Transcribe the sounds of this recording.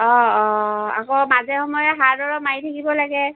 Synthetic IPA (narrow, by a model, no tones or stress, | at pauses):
ɔɔa̰kɔmazɛxɔmɔjɛɦaɹdɔɹɔmaitʰakibɔlaɡɛ